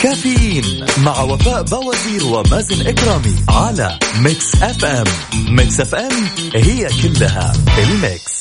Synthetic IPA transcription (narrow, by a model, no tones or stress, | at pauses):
kaːfɪjiːnmaʕwafaːʔbawaziːɾwɪmazɪnʔɪkɾˤɑːmḭʕala̰mɪksʔafʔamːɪksʔafʔamhɪjːakɪlːaɦa̰fɪlmɪ̰ks